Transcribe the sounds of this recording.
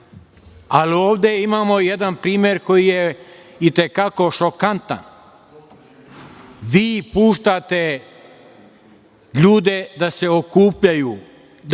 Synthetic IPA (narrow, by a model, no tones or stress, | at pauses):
alio̞ːʋd̪e̞imaːmo̞jed̪anpɾiːmʲje̞ɾko̞jijeit̪e̞kako̞ʃo̞kant̪a̰n | ʋiːpuːʃt̪at̪e | ʎuːd̪e̞d̪ase̞okuːpʎajuː